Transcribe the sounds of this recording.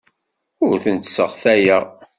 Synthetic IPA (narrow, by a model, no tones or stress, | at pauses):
ʊɾθənt̪səʁθæjæ